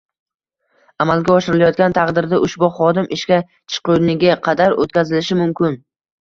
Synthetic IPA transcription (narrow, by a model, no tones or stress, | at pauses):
amalˠɡʲaɒʃɪɾɪlajɒt̪̚ɡʲant̪ʰɑqd̪ɪɾd̪aʔʊʃbʊχɒd̪ɪmʔɪʃkʲa | t͡ʃʰɨ̥qʊnɪɡʲaqʰɑd̪aɾo̰t̪̚kʲʰazɪlɪʃɪmʊmkʲɪn